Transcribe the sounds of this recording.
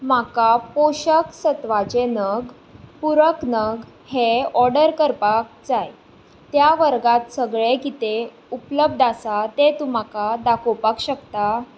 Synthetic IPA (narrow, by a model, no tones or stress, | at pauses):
makapoɕəksət̪ʋat͡ɕenəɡ | puɾəknəɡ | heɔɾɖəɾkəɾpak̚d͡zaj | t̪jaʋəɾɡat̪səɡɭekit̪e | upləb̚d̪asat̪et̪um̤akad̪akʰopakɕəkt̪a